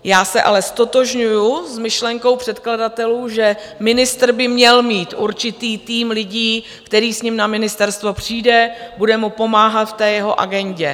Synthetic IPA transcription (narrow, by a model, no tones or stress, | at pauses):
jaːsɛʔa̰lɛst̪o̞t̪o̞ʒɲujusmɪʃlɛŋko̞wpr̥ɛt̪kladat̪ɛluːʒɛmɪnɪst̪r̩bɪmɲɛlmiːt̪ʔuɾt͡ʃɪt̪iːt̪iːmlɪɟiː | kt̪ɛɾiːsɲɪmnamɪnɪst̪ɛɾst̪vopr̝̥iːdɛbudɛmupo̞maːɦat̪ft̪ɛːjɛɦo̞̰ʔa̰ɡɛɲɟɛ